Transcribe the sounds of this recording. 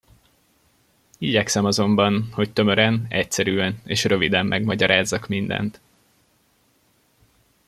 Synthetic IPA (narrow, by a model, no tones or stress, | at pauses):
iɟɛksɛmɒzo̞mbɒnho̞ct̪ø̞mø̞ɾɛnɛcsɛɾyːɛneːʃrø̞vid̪ɛmːʔɛɡmɒɟɒɾaːzːɒkmind̪ɛ̰nt̪